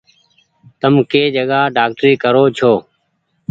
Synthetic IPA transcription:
t̪əmkeːd͡ʒəɡaːɖaːk̚ʈɾiːkəɾoːt͡ʃʰoː

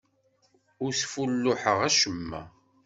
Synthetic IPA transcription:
ʊɾsfulːʊħəʁæʃəmːæ̰

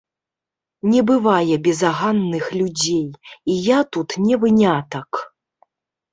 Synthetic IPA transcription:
nʲɛbɨvajɛbʲɛzaɣanːɨxlʲud͡zʲejijat̪ut̪nʲɛvɨnʲat̪ɐk

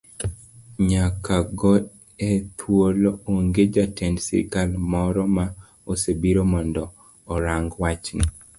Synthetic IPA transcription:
ɲakaɡɔ | et̪ʰwolooŋɡed͡ʒatɛndsḭɾkalmɔɾɔma | osebiɾomɔndɔː | ɾaŋɡwat͡ʃnḭ

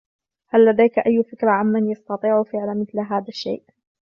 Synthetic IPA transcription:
halːad̪ajkʔajːfɪkɾˤaʕamːanjɑst̪ɑt̪ˤiːʕʊfɪʕlamɪθlɦaːðaʃːḛːʔ

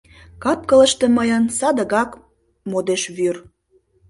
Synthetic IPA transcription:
kɑp̚kələʃt̪e̽məjənsɑd̪əɣɑk | mod̪eʃβyr

